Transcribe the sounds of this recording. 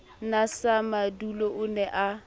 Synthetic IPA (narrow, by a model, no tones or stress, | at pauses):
nasamaduloʔʊnɛʔa